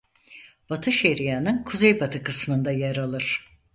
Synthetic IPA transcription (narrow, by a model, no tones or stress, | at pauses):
b̥at̪ʰɯʃeɾijanɯnkʰuzejbat̪ʰɯkɯsmɯnd̪ajaɾalˠɯɾ̥